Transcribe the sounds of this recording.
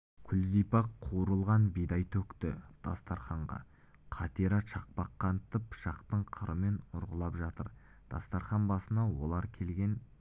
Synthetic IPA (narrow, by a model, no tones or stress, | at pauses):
kʲʰʏlzijpɑqʰuɾəlˠʁɑnbijd̪ɑjt̪ʰɵkt̪ɪd̪̥ɑ̰st̪ɑɾχɑɴʁɑ̰ | qʰɑt̪iɾɑʃɑq̚pɑqːɑnt̪ːəpʰʃɑqt̪əɴqʰəɾʔəme̞nʊɾʁəlˠɑpʒɑt̪əɾ | d̪̥ɑ̰st̪ɑɾχɑnbɑsənɑwo̞lˠɑɾkʲʰe̞lɡʲe̞n